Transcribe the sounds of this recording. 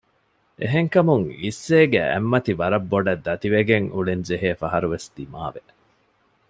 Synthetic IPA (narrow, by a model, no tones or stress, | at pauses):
ʔeɦeŋkɐmuŋisːeːɡḛḛmːɐt̪iʋɐɾɐbːoɖɐd̪ːɐt̪iʋeɡeŋʔuɭend͡ʒeɦeːfɐɦɐɾuʋesd̪̥imaːʋe